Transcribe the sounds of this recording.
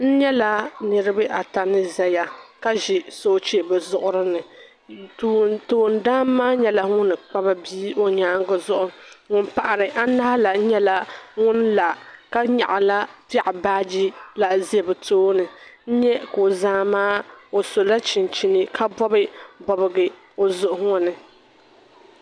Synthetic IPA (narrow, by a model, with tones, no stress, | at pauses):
n̩˦ɲɛ˦la˦nɨ˦ɾɨ˦bɨ˦ʔa˨ta˨nɨ˦zɛ˦ja˨ka˦ʒi˨so˦t͡ʃe˦bɛ˨zʊ˨ʔʊ˦ɾɨ˦nɨ˨ | tːtoː˨n̩˦daː˦mːaː˦ɲɛ˦la˨˦ŋʊ˦nɨ˨k͡pa˦ba˦biː˦o˦ɲaː˦ŋɡʊ˨zʊ˦ʔʊ˨ŋʊ˦npa˨ʔa˨ɾɨ˨ʔa˦na˦ha˦la˨n̩˦ɲɛ˦la˨ŋʊ˦nla˨ka˦ɲa̰˨ʔa˨la˦tɪ˦˨ʔɪ˨baː˦d͡ʒi˦la˨zɛ˦˨bɨ˨tʰoː˦nɨ˨n̩˦ɲɛ˦ko˨zaː˦maː˦o˨so˨la˦t͡ʃɪ˨n˨t͡ʃi˨nɨ˨kʰa˦bɔ˦bɨ˦bɔ˦bɨ˦ɡɨ˦ | o˨zʊ˨ʔʊ˨˦ŋɔ˦nɨ˨